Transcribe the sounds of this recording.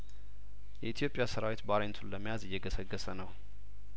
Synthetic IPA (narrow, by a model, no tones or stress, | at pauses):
jɛit̪ʰijo̞pʼːjasəɾawit̪baɾent̪ʰunləmːijazɪjːɛɡəsəɡːəsənəw